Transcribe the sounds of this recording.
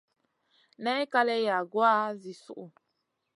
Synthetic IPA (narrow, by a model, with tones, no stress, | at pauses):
nɛ˦ka˦lɛ˦ja˨ɡwa˦zi˨sṵ˦ʔu˨